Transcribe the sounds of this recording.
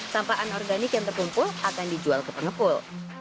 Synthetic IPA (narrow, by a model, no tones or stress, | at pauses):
sampaʔanɔrɡanɪkjaŋt̪ərkumpʊlakandid͡ʒualkəpəŋəpʊl